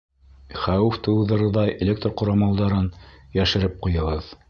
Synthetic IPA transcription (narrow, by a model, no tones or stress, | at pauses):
χæwʉft̪ɤ̆wðɤ̆ɾɤ̆ðɑjʔelʲek̚t̪rqŏɾɑmɑlˠd̪ɑɾɤnjæʃɘ̆ɾɘp̚qujɤ̆ʁɤð